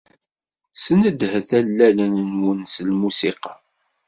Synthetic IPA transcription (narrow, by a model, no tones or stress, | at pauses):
sənəd̪hθælːælənnwənslmusiqɑ